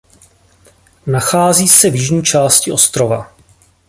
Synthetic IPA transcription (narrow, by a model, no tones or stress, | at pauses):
naxaːziːsɛvjɪʒɲiːt͡ʃaːscɪʔo̞st̪ɾova̰